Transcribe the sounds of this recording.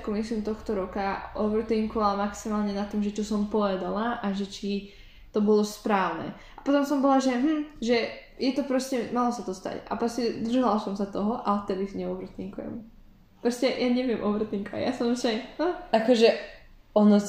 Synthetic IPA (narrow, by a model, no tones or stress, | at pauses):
kɔmislimt̪ɔxt̪ɔɾɔkaʔɔʋɾ̩t̪iŋkɔʋalmaksimaːlɲɛnat̪ɔmʒɛt͡ʃɔsɔmpɔʋɛd̪alaʔaʒɛt͡ʃi | t̪ɔbɔlɔspɾaːʊnɛ̰ | apɔt̪ɔmsɔmbɔlaʒɛɦm̩ʒɛ | jɛt̪ɔpɾɔscɛmalɔsat̪ɔst̪a̰ca̰pɾɔscɛd̪r̩ʒalasɔmsat̪ɔɦɔʔat̪ɛd̪iɲɛɔʋɾt̪iŋkujɛ̰m | pɾɔscɛjaɲɛʋɪɛmʔɔʋɾr̩t̪iŋkɔʋa̰ja̰sɔmʃajhəakɔʒɛ | ɔnɔ